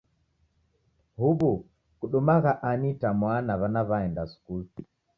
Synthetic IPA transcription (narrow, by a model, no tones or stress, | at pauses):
huβu | kuɗumaɣaʔanitamwanaβanaβaɛndasu̥kulu